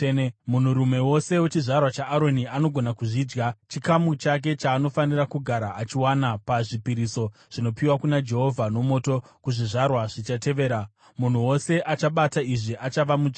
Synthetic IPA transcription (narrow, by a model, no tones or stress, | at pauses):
enemun̤uɾume̞wo̞se̞wet͡ʃiʐarwat͡ʃaːɾo̞niano̞ɡʱo̞nakuʐiːd͡ʒɡat͡ʃikamut͡ʃak̬e̞t͡ʃaːno̞fanirakuɡʱaɾaʔːt͡ʃiwanapaʐipiɾiso̞ | ʐ̥ino̞piwakunad͡ʒe̞ɦo̞vʱano̞mo̞ːto̞kuʐiʐarwaʐit͡ʃate̞ʋe̞ːɾa | mun̤uwo̞se̞ʔat͡ʃaɓataiʐiʔat͡ʃaʋamud͡ʒ